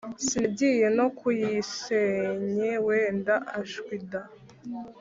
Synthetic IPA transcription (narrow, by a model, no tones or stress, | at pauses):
sibɟije̞no̞kujiseɲeweːndaʔaʃwida